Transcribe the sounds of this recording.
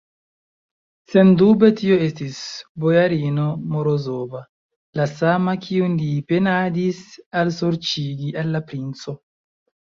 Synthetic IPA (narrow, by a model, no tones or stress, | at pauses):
se̞ndube̞tio̞e̞stisbo̞jaɾinomo̞ɾozo̞va | lasamakʰiunlipe̞nadisalsoɾt͡ʃiɡialːapɾint͡so̞